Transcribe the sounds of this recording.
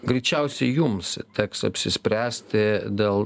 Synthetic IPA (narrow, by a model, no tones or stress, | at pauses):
ɡɾʲɛɪt͡ʃʲɛʊsʲɛɪjʊmst̪ʲɛksɐ̰pʲsʲɪsʲpʲɾʲæːsʲt̪ʲɪd̪ʲeːlˠ